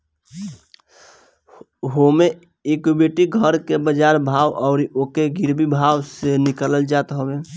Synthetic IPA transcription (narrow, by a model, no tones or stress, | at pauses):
ɦome | ekubeʈiɡʱəɾkebəd͡ʒaɾbʱawʔɔʊɾiʔokeɡiɾbʱibʱawsenikələld͡ʒat̪ɦəbe